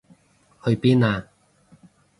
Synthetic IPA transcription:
hɵ˧ɥpiː˥naː˧

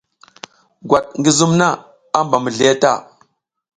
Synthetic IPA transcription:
ɡwa˨ɗ̚ŋɡi˦zu˦mna˦˨ | a˦mba˨mə˨ɮi˨a˦ta̰˦˨

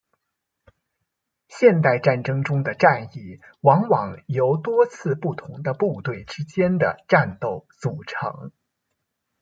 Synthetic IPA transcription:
ɕjɛ˥˧nt̪a˥˧ɪʈ͡ʂa˥˩nʈ͡ʂɤ˥ŋʈ͡ʂʊ˥ŋd̪ə˨ʈ͡ʂa˥˧ni˥˩ | wɑ˧˥ŋwɑ˨˩ŋjo˧˥ʊt̪wɔ˥t͡sʰɹ̩˥˧pu˥˩t̪ʰʊ˧˥ŋd̪ə˧pu˥˧t̪we˥˩ɪʈ͡ʂɻ̩˥t͡ɕjɛ˥nd̪ə̰˨ʈ͡ʂa˥˧nt̪o˥˩ʊt͡su˨˩ʈ͡ʂʰɤ̰˧˥ŋ

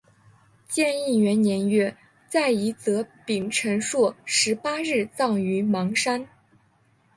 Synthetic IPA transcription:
t͡ɕjɛ˥˧ni˥˩ɥɛ˧˥nnjɛ˧˥nɥɛ˥˩ | t͡sa˥˩ɪi˧˥t͡sɤ˧˥pi˨˩ŋʈ͡ʂʰə˧˥nʂwɔ˥˩ʂɻ̩˧˥pa˥ɻɻ̩˥˧t͡sɑ˥˩ŋy˧˥mɑ˧˥ŋʂa˥n

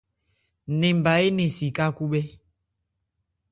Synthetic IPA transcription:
nẽ˨m˨ba˨e˦nẽ˨si˨ka˦ku˦ɓɛ˦

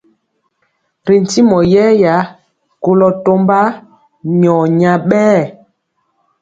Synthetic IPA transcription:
ɾi˨n˨ti˦mɔ˨jɛ˦ja˨˦ | ko˦lɔ˨to˦mba˦ | ɲɔ˨ɲa˨ɓɛː˦˨

